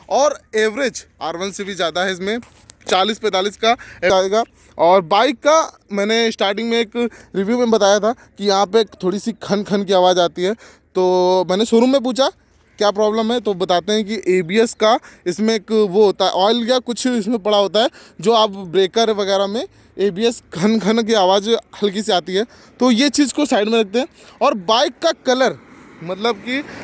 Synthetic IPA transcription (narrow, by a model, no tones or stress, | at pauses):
ɔːɾeːʋɾed͡ʒ | aːɾʋə̃nsebʱizjaːd̪aɦɛɪs̬mẽ | t͡ʃaːliːspɛ̃ːt̪aːliːskaeːaɦeːɡa | ɔːɾbaːɪkːa | mɛ̃ːnesʈaːɾʈɪ̃ŋɡmẽeːkɾɪʋjumẽbɐt̪aːjat̪ʰakijɐɦãpekt̪ʰoːɽisikʰɐ̃nkʰɐnk̬iaːʋaːzaːt̪iɦɛː | t̪oːmɛːneʃʊɾõmẽp̬uːt͡ʃʰa | kjaːpɾɔːbləmɦɛt̪obɐt̪aːt̪eɦɛ̃k̬iʔeːbiːɛskaɪsmẽeːkʋoɦoːt̪aɦɛ̰ʔɔːɪljakʊt͡ʃʰɪsmẽpɐɽaɦoːt̪aɦɛːd͡ʒoːaːpbɾeːkəɾʋɐɣɛːɾamẽ | eːbiːɛskʰɐnkʰɐnk̬iaːʋaːd͡ʒhɐlk̬iseaːt̪iɦɛː | t̪ojet͡ʃiːzkosaːɪɖmẽɾɐk̚ʰt̪ẽɦɛ̃ːɔːɾbaːɪkːakɐləɾmɐt̪ləb̚ki